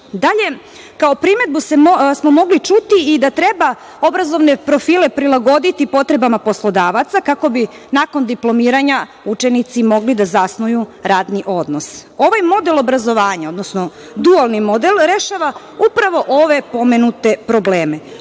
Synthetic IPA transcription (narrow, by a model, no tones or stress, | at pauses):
d̪aʎe̞ | kao̞pɾime̞d̪̚busesmo̞mo̞ɡlit͡ʃut̪iid̪at̪ɾe̞ba | o̞bɾazo̞ʋne̞pɾo̞fiːle̞pɾilˠaɡo̞d̪it̪ipo̞t̪ɾe̞bamapo̞slˠo̞d̪aːʋat̪sakako̞bi | nako̞nd̪iplˠo̞miːɾaɲa | ut͡ʃe̞nit̪simo̞ɡlid̪azasnujuɾaːd̪niʔo̞d̪no̞so̞ʋajmo̞d̪e̞lo̞bɾazo̞ʋaːɲao̞d̪nosno̞ | d̪ualˠnimo̞d̪elɾe̞ʃaʋa | upɾaʋo̞ʔo̞ʋe̞po̞menut̪e̞pɾo̞bleːme̞